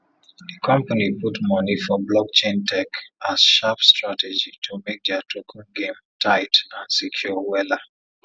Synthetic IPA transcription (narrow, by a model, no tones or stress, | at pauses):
dikʰɔ̃mpaniputmɔnifɔblɔk̚t͡ʃẽntʰɛkasʃapstɹatɛd͡ʒitʰumek̚dɛatʰokʰɔ̃nɡẽm | tʰaɪtãnsikʰjuwɛla